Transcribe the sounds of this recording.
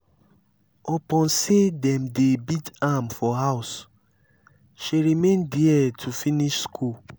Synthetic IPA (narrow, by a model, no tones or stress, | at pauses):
ɔpɔ̃n̩sedɛ̃m̩debidamfɔɦaʊs | ʃeɾimẽndiɛtʰufiniʃskʰu